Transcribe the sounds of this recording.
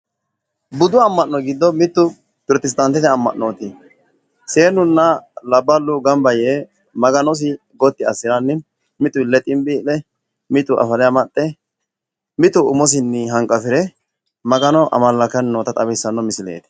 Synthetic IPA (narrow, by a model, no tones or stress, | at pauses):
bʊd̪ʊɐmːɐnːɔɡɪd̪ːɔmɪt̪ːʊ | pʊɾt̪ɪs̬t̪ʼɐnt̪ɛt̪ɛɐmːɐ̰nːoːt̪ɪ | se̞ːnʊnːɐlɐbːɐlːʊɡɐmbɐje | mɐɡɐnɔs̬ɪ | ɡɔt̪ːɪɐsːɪɾɐnːɪ | mɪt̪ʊlːɛt̪ʼɪmbiːlɛ | mɪt̪ːʊʔɐ̰fɐlɛjamɐt̪ʼːɛ | mɪt̪ʊʊmɔs̬ɪnːɪɦɐŋkʼːɐfɪɾɛ | mɐɡɐnɔʔɐ̰mɐlːɐkɐnːoːt̪ɐt̪ʼɐbɛsːɐnːɔmɪsɪlḛːt̪ɪ̥